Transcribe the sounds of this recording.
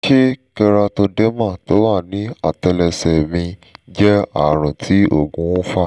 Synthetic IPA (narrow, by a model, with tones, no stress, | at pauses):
ʃe˦kɛ˧ɾa˧to˧dɛ˦mã˦˨to˨˦wa˦˨nĩ˨˦a˨tɛ˧lɛ˧sɛ˨mĩ˧d͡ʒɛ˦a˨ɾ̃ã˨tʰi˨˦o̰˦˨ɡũ˧˦ũ˦fa˦˨